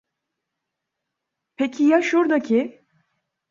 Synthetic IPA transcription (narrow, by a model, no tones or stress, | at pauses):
pʰecʰijaʃuɾd̪acʰi